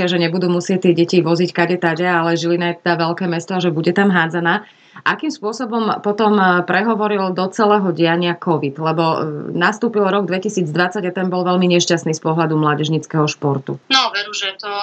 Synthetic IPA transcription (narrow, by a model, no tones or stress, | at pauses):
aʒɛɲɛbud̪uːmusɪɛc̚t̪ːɪɛɟɛciʋɔzickaɟɛt̪aɟɛalɛʒilinajɛt̪ɛd̪aʋɛlkɛːmɛst̪ɔaʒɛbuɟɛt̪amɦaːd͡zanaː | ʔakiːmspʊɔsɔbɔmpɔt̪ɔmpɾɛɦɔʋɔɾild̪ɔt͡sɛlɛːɦɔɟɪaɲɪakɔʋid̪lɛbɔnast̪uːpilɾɔɡd̪ʋɛcisiːd͡zd̪ʋat͡saɟat̪ɛmbɔlʋɛlmiɲɛʃcasniːspɔɦlad̪umlaːɟɛʒɲit͡skɛɦɔʃpɔɾt̪ṵnɔʋɛɾuːʒɛt̪ɔ